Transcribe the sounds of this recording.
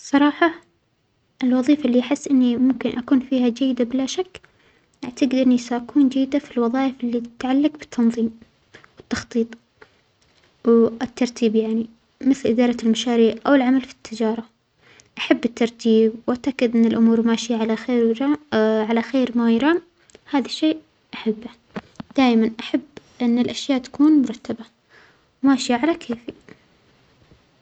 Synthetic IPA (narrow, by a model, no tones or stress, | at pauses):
sˤɑɾˤɑːħɑ | ʔɪlwɑðˤiːfaʔlːiʔaħɪsːʔɪnːimʊmkɪnʔakuːnfiːhad͡ʒajːɪd̪abɪlaʃakː | ʔaʕt̪aɡɪd̪ʔɪnːisaʔakuːnd͡ʒajːd̪afilwɑðˤɑːʔɪfʔɪlːit̪ʕalːaɡbɪ̥t̪ʰːɑnðˤiːm | wɪt̪ːɑxt̪ˤiːt̪ˤ | wɪt̪ːɑɾˤt̪ʰiːbjaʕni | mɪθlʔɪd̪ɑːɾˤɑɪlmaʃaːɾiːʕʔawɪlʕamalfi̥t̪ːɪd͡ʒɑːɾˤɑ | ʔaħabːɪt̪ːɑɾˤt̪ʰiːbwʔaʕt̪akːɪd̪ʔɪnːɪlʔʊmuːɾmaːʃɪjaʕalaxeːɾɾʕalaxeːɾmajɾˤɑːm | haːðaʃːeːʔ | ʔaħabː | d̪̥aːʔmanʔaħab | ʔɪnːɪlʔaʃjaːʔt̪ḁkuːnmʊɾˤɑt̪ːaba | wmaːʃɪjaʕalakʰeːfi